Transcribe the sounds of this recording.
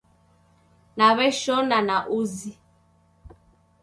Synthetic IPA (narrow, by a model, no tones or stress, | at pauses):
naβɛʃɔnanaʔuzi